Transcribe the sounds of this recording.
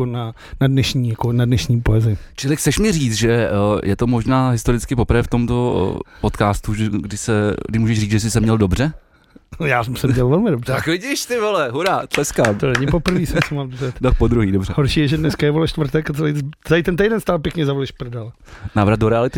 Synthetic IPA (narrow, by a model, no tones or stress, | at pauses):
ona | nadnɛʃɲiːjakonadnɛʃɲiːpoɛzɪt͡ʃɪlɪxt͡sɛʃmɪriːt͡sʒɛjʔɛt̪o̞mo̞ʒnaːɦɪst̪o̞ɾɪt͡skɪpopɾvɛːft̪omt̪o̞̰po̞t̪kaːst̪uɛɡdɪsɛɡdɪʃmuːʒɛʒriːt͡sʒɛsɪsɛmɲɛldo̞brɛ | jaːsɛmsɛmɲɛlvɛlmɪdobr̥akvɪɟɪʃt̪ɪvolɛɦuɾat̪lɛskaːmt̪onɛɲɪpopɾ̩viːsɛmsɛmaldzɛt̪dokpod̪ɾuɦiːdobrɛhoɾʃiːjɛʒɛdnɛskajɛvolɛʃt̪vɾt̪ɛkat̪ɛlijt͡sɛlijt̪ɛnt̪ɛjdɛnst̪aːlpjɛkɲɛzavɛlɪʃprdal | navɾad̪do̞ɾɛalɪt̪ɪ